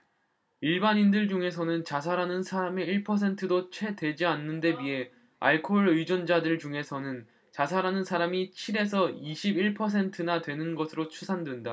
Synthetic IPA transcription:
iɭbaɲindɯɭd͡ʑuŋe̞s̬ʰʌnɯnt͡ɕas̬ʰaɾanɯnsʰaɾame̞iɭpʰʌs̬ʰe̞ntʰɯdot͡ɕʰwe̞dwe̞d͡ʑianːɯnde̞biɦe̞ | a̰ɭkʰoɭɯjd͡ʑʌnd͡ʑadɯɭt͡ɕuŋe̞sʰʌnɯn | t͡ɕas̬ʰaɾanɯnsʰaɾamit͡ɕʰiɾe̞s̬ʰʌiɕʰibiɭpʰʌs̬ʰe̞ntʰɯnatwe̞nɯnɡʌsʰɯɾot͡ɕʰusʰandwenda

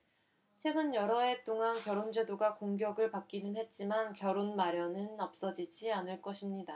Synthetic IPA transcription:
t͡ɕʰwe̞ɡɯnjʌɾʌe̞t͈oŋankjʌɾond͡ʑe̞doɡakoŋɡjʌɡɯɭpak͈̚inɯnɦe̞t̚t͡ɕ͈imankjʌɾonmaɾjʌnɯnʌp̚s͈ʌd͡ʑid͡ʑianɯɭk͈ʌɕʰimɲida

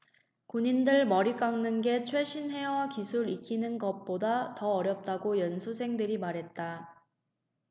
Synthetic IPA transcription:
koɲindɯɭmʌɾik͈aŋnɯnɡe̞t͡ɕʰwe̞ɕʰinɦe̞wakisʰuɾik͈ʰinɯnɡʌt̚p͈odatʌːɾjʌp̚t͈aɡojʌnsʰusʰe̞ŋdɯɾimaɾɦe̞t̚t͈a

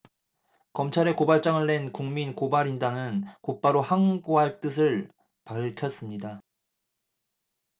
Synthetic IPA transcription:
kʌmt͡ɕʰaɾe̞kobaɭt͡ɕ͈aŋɯɭːe̞nkuŋminkobaɾindanɯnkop͈aɾohaŋɡoɦaɭt͈ɯs̬ʰɯɭ | paɭkʰjʌs͈ɯmɲida

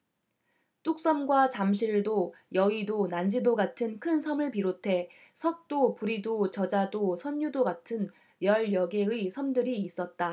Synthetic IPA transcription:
t͈uk̚s͈ʌmɡwat͡ɕamɕʰiɭdojʌidonand͡ʑidoɡatʰɯnkʰɯnsʰʌmɯɭpiɾotʰe̞ | sʰʌk̚t͈opuɾidot͡ɕʌd͡ʑadosʰʌɲjudoɡatʰɯn | jʌɭjʌɡe̞ɯisʰʌmdɯɾiːs͈ʌt̚t͈a

